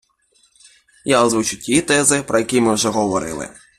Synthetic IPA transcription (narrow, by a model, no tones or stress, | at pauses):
jazʋut͡ʃʊtʲit̪ɛzɪpɾɔjɐkʲimɪwʒɛɦɔʋɔɾɪ̰lˠɪ̰